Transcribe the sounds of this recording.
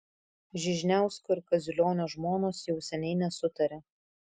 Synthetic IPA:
ʒʲɪʒʲnʲæˑʊsʲkoːɪɾkɐzʲʊlʲoːnʲoːʒmoːnoːsjɛʊsʲɛnʲɛɪnʲɛsʊt̪ɐɾʲɛ

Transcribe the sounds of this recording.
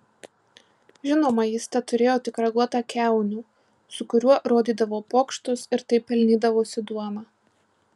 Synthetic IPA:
ʒʲɪnoːmɐjɪst̪ʲɐt̪ʊɾʲeːjoːt̪ʲɪkɾɐɡuɔt̪ɑkʲæˑʊnʲuː | sʊkʊɾʲuɔɾoːd̪ʲiːd̪ɐʋoːpoːkʃt̪ʊsɪɾt̪ɐɪpʲːɛlʲnʲiːd̪ɐʋoːsʲɪd̪uɔnɑ

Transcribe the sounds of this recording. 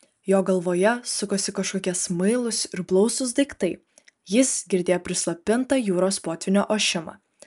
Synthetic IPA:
joːɡɐlˠʋoːjɛsʊkoːsʲɪkɐʃkoːkʲɛsmɐɪlˠʊsɪɾblˠɒʊsʊs̬d̪ɐɪkt̪ɐɪ | jɪsɡʲɪɾʲd̪ʲeːjoːpʲɾʲɪslˠɐpʲɪnt̪ɑːjuːɾoːspoːt̪ʲʋʲɪnʲoːʔoːʃʲɪmɑ̰ː

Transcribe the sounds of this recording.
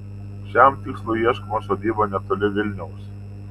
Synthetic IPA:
ʃʲɛmt̪ʲɪkslˠʊɪiɛʃkomosoːd̪ʲiːbonʲɛt̪olʲɪʋʲɪlʲnʲɛʊs

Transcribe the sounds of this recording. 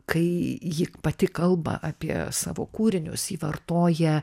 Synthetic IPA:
kɐɪjɪpɐt̪ʲɪkɐlˠbɐ̰ʔɑːpʲiɛ̰sɑ̰ːʋo̰ːkuːɾʲɪnʲʊsiːʋɐrt̪oːjɛ

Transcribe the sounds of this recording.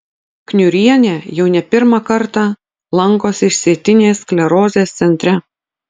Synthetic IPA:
knʲʊɾʲiɛnʲeːjɛʊnʲɛpʲɪɾmɑkɐɾt̪ɑ | lˠɐŋkoːsɪʃʲsʲiɛt̪ʲɪnʲeːsklʲɛɾoːzʲeːst̪sʲɛnʲt̪ʲɾʲɛ

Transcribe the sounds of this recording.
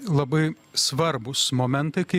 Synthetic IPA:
lˠɐbɐɪ | sʋɐɾbʊsmoːmʲɛnt̪ɐɪkɐɪ

